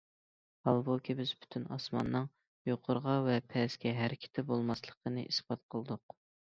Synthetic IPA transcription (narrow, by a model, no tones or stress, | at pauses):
hɑlˠbokʲʰibɪzby̥t̪ʰynɑsmɑ̰nːɨŋ | joqʰʊɾʁɑvɛpʰɛskʲɛɦæɾɪkʲʰɪ̥t̪ʰɛbolˠmɑslˠəqʰənɨʔisb̥ɑt̪̚qʰəlˠd̪ʊq